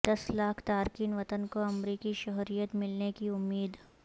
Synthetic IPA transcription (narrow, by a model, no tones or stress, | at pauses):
d̪̥ɐslaːkʰt̪aːɾkiːnʋɐt̪ənkoɐmɾiːkiʃɔɦɾijət̪mɪlnekiʊmːiːd̪